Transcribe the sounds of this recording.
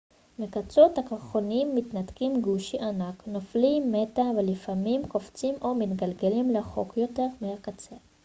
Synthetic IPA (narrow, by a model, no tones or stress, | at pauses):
mikat͡sot̪hakoʁχonimːit̪nat̪kimɡuʃiʔanaknoflimːet̪avelifamimko̞ft͡simʔo̞mit̪ɡalɡelimleχo̞̰kjo̞t̪e̞ʁmehakat͡se